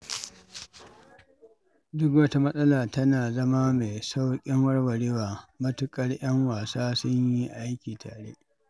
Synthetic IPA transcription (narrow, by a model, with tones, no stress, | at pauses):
dʊ˦kwɐ˦ta˦mɐ˦sʼɐ˦laː˨tɐ˦naː˨zɐ˦ma˦me˨jsa˦wkʲʼɪ˦ŋwɐ˦ɽwɐ˨ɽiː˦waː˨mɐ˦tʊ˦kʼɐ˦rj̰ɐ˦ŋwaː˨saː˦sʊ˦ɲjji˦ʔa˦jkʲiː˨tʰa̰ː˨ɽḛ˦ʔ